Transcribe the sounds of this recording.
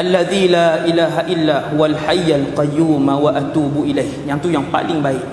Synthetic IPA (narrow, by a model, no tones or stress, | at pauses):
ʔalːaðilaʔilaːɦaʔilːahuwalħajːalqɑjːuːmawaʔat̪uːbuʔilajkjaŋt̪ujaŋpa̰lɪŋbaɪʔ